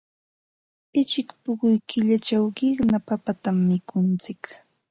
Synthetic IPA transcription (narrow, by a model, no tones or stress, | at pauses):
ɪt͡ʃɪkpʊɢʊjkɪʎat͡ʃawɢɪχnapapat̪amːɪkʊnt͡sɪk